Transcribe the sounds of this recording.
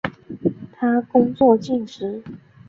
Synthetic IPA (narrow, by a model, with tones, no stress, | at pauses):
t̪ʰa˥kʊ˥ŋt͡swɔ˥˨t͡ɕi˥˩nʂɻ̩˧˥